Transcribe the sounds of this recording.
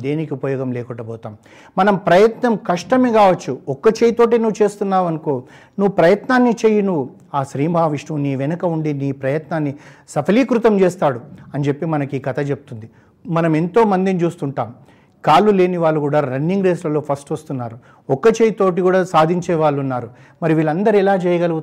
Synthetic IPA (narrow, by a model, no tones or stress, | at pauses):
d̪e̞ːnikiupɐjɔːɡɐmlɛːkuʈɐbɔːt̪aːm | mɐnɐmpɾɐjɐt̪nɐmkɐʂʈɐmekaːʋɐt͡ʃːuɔkːɐt͡ʃeːjit̪o̞ːʈ̬inuʋut͡ʃe̞ːst̪unːaːʋɐnukoː | nuʋupɾɐjɐt̪naːnːit͡ʃeːjɐnuʋu | aːʃɾiːmaːʋiʂnɐmniːʋɛnɐkɐuɳɖiniːpɾɐjɐt̪naːnːisɐpʰɐliːkɾut̪ɐmt͡ʃeːst̪aːɽuɐnt͡ʃe̞pːimɐnɐkiːkɐt̪ʰɐt͡ʃep̚ut̪und̪i | mɐnɐme̞nt̪o̞ːmɐnd̪init͡ʃuːst̪uɳʈaːm | kaːlːule̞ːniʋaːɭːukuːɽaːɾɐnːiŋɡɾeːslɐlo̞ːpʰɐsʈʋɐst̪unːaːɾu | ɔkːɐt͡ʃejit̪o̞ːʈ̬ikuːɽaːsaːd̪ʱiɲt͡ʃɛːʋaːɭːunːaːɾu | mɐɾiʋiːɭɐnd̪ɐɾiɛlaːt͡ʃɛːjɐɡɐlɐɡu